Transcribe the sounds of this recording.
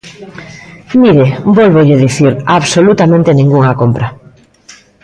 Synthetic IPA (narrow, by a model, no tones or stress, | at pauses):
miɾebolβoʎɪðiθiɾaβsolut̪amẽnt̪enĩŋɡuŋakompɾa